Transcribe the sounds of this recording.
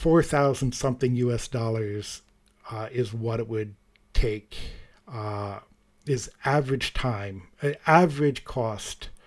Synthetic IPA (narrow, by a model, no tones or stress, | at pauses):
fɔɹθaʊzn̩d̥sʌ̃mθɪ̃ŋjʉɛsd̥ɔlˠə˞z̥ | ɪzwʌɾɨt̚wɨd̚ | tʰeɪk | ɪzævəɹɨd̥ʒ̥tʰãɪ̃mɨævə˞ɨd̥ʒ̥kʰɔst